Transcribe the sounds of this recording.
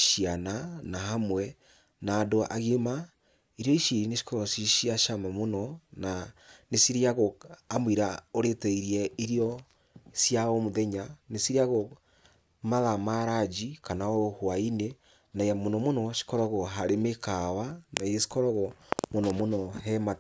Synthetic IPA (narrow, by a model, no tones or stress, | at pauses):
ʃiananaɦamwɛ | naːdoʔa̰ɣima | iɾjɔiʃiɾineʃi̥kɔɾɔsiʃiaʃamamonɔnanesiɾiaɣoamwiɾaoɾetɛiɾiɛiɾiɔ | sjaɔmoðɛɲanesiɾiaɣo | maðamaɾad͡ʒikanaɔhwaine | naijamonɔmonɔʃi̥kɔɾɔɣɔɦaɾemekawanaiɣesi̥kɔɾɔɣɔmonɔmonɔɦɛma